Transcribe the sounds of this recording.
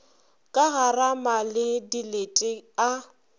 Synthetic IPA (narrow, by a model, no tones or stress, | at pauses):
kʼaɣaramalɪdiletʼɪa